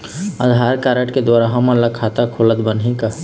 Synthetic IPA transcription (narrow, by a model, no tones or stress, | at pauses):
əd̪ʱɦaːɾkaɾəʈked̪waːɾaɦɐmələɡ̚kʰat̪akʰolət̪bənɦĩka